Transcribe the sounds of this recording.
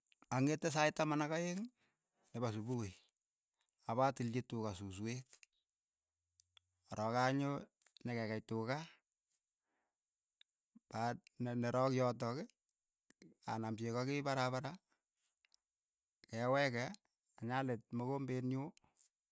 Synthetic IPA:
aŋetːɛs̬ajtamanakajeŋ | nɛbas̬ubukoj | abatilt͡ʃitukasuswet | ɔɾɔkaɲo | ɲakɛkajtʊka | pannɛɾɔkjɔt̬ɔke | a̰nampjekɔkɪpaɾabaɾa | kɛwɛkɛ | aɲalet̚mokombenjo

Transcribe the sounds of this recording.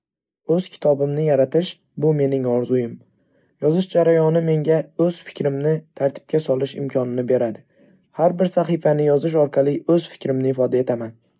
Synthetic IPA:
ɵz̥kʲʰɪ̥t̪ʰɒbɪmnɪjaɾat̪ʰɪʃ | bʊme̞nɪŋɒɾzʊjɪm | jɒzɪʃd͡ʒaɾajɒnɪme̞ŋɡʲaɵz̥fɪ̥kʲɾɪmnɪt̪ʰaɾt̪ʰɪ̥p̚kʲʰasɒlˠɪʃɪ̰mkʰɒnɪnɪbe̞ɾad̪ɪ | haɾbɪɾsaχɨfanɪjɒzɪʃ̬ɒɾqʰɑlˠɪɵz̥fɪ̥kʲɾɪmnɪːfɒd̪ae̞t̪ʰaman

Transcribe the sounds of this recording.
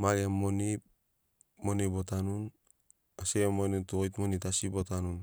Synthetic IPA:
maɾiamːɔnip | mɔnibɔtanun | aseamɔnituojtmɔnitasibɔtanun

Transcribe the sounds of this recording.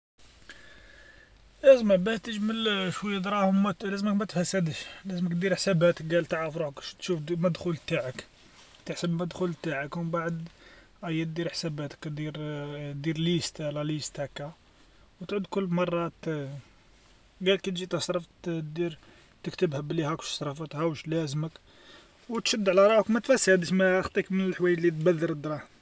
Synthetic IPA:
læzəmæbæʃt̪əʒməlʃwæjːæd̪ɾˤɑhʊmːælæzməkmæt̪əfæsːæd̪əʃlæzməkt̪d̪iɾħsæbæt̪ək̚ɡælt̪əʕɾəfɾuħəkt̪ʃufmæd̪xult̪aʕək | t̪əħsəbmæd̪xult̪aʕəkwəmbaʕəd̪ | ʔæjːæt̪̚d̪iɾħsæbæt̪ə̥kd̪iɾd̪iɾlist̪lælist̪hækæ | wt̪ʕud̪kʊlːmɑrˤːɑt̪ | ɡælkit̪ʒit̪əsɾˤɑfd̪iɾ | t̪əkt̪əbhəblihækʃsˤɾˤɑfət̪hæwəʃlæzmək | wt̪ʃəd̪ːʕlæɾˤɑəkmæt̪fæsːhæd̪əʃmæxt̪ˤikmənəlħwæjːælːit̪bæd̪ːəɾd̪ɾˤɑ

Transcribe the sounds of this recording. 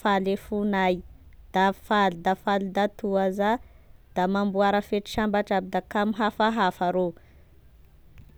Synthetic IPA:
falefunajd̪̥afalud̪afalid̪at̪uaza | d̪̥amambuaɾəfeʈ͡ʂi̥ʃambaʈ͡ʂabid̪akamiɦafaɦafaɾo

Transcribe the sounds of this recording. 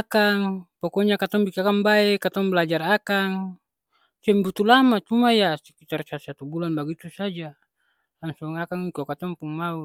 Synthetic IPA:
akaŋpɔkɔɲakat̪ɔŋbikiakaŋbaekat̪ɔŋbəlad͡ʒarakaŋ | sɛmbut̪ulamat͡ʃumajasikit̪arsasat̪ubulanbaɡit̪usad͡ʒa | laŋsɔŋakaŋikokat̪ɔŋpuŋmau

